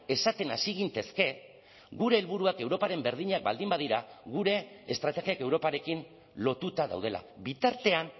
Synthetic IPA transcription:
e̞sat̪e̞na̰siɣ̞int̪e̞ske̞ | ɣuɾe̞ːlβuɾuake̞wɾo̞paɾe̞mbe̞ɾð̞iɲak̚ba̰ld̪imbaðiɾaɣuɾe̞ː | st̪ɾat̪e̞ɣiake̞wɾo̞paɾe̞kin | lo̞t̪ut̪aða̰wð̞e̞la̰bit̪aɾt̪e̞an

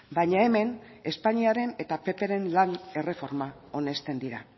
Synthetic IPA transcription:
bajɲae̞me̞n | e̞spaɲiaɾe̞ne̞t̪ape̞pe̞ɾe̞nlane̞re̞fo̞ɾma | o̞ne̞st̪e̞nd̪iɾa̰

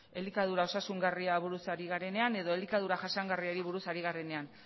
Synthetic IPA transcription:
e̞likaðuɾao̞sasuŋɡariaβuɾusaɾiɣ̞aɾe̞ne̞ane̞ðo̞e̞likaðuɾaʝasaŋɡariaɾiβ̞uɾusaɾiɣaɾe̞ne̞an

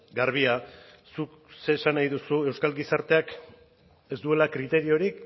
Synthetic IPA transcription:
ɡaɾβ̞ia | suk | se̞ːsanajðusue̞wskalɡisaɾt̪e̞ak | e̞zd̪ue̞lakɾit̪e̞ɾio̞ɾik

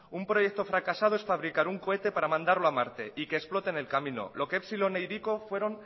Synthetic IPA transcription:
umpɾo̞je̞k̚t̪o̞fɾakasað̞oesfaβ̞ɾikaɾuŋko̞e̞t̪e̞paɾamãnd̪aɾloamaɾt̪e̞ʔike̞ːsplo̞t̪e̞ne̞lkamĩno̞̰lo̞kepsilonejɾiko̞fwe̞ɾo̞n

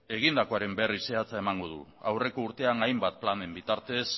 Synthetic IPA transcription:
e̞ɣ̞ind̪ako̞aɾe̞mbe̞rise̞at͡sae̞maŋɡo̞ðṵawre̞ko̞uɾt̪e̞aŋajmbat̪̚plane̞mbit̪aɾt̪e̞s

